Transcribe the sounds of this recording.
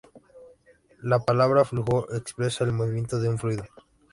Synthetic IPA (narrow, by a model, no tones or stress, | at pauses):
lapalaβɾafluxoʔekspɾesaelmoβimjent̪oðeuɱfɾuiðo